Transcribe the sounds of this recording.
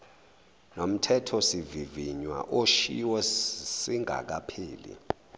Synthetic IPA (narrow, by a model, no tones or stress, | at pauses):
nom̩tʰɛtʰɔsiviviɲwa̰ʔoʃḭwɔsiŋʱa̰k̬apʰiːlḭ